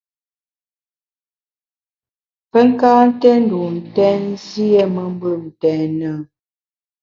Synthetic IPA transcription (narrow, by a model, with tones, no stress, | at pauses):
pə˦ŋ˦kaː˦n̩˦tɛ˦n̩˦˨du˨n̩˨tɛ˦n˦zi˦ɛ˦mə˨m˦bə˦˨n̩˨tɛː˨nə˨˦